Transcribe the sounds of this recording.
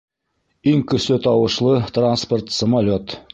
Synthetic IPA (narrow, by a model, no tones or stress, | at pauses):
iŋkɵ̆sɵt̪ɑwɤ̆ʃlˠɤt̪ransport̪səmalʲot̪